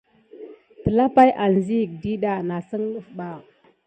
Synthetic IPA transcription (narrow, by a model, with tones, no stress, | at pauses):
tə˨la˦pa˦jʔa˨nzi˦˨k̚di˦ɗa˦˨na˨sə˦ŋlu˦fɓa˨